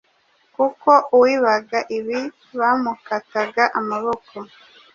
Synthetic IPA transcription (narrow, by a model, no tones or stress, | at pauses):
kuko̞ʔuwiβaɡaʔiβi | βamukataɡaʔamaβo̞kʰo